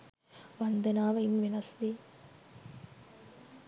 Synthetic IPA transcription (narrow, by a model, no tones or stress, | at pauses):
ʋɐnd̪ɐnaːʋɐɪnʋɪnɐst̪i